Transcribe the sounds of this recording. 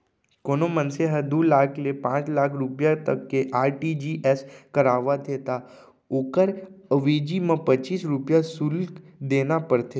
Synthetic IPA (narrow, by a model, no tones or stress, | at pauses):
konomənseɦəd̪ulaːkʰlepãːt͡ʃlakʰɾupjat̪əkːeʔaːɾʈid͡ʒiʔeskəɾaʋad̪et̪a | okəɾəʋed͡ʒimãpət͡ʃiːsɾupjasulk | d̪enapəɾt̪ʰe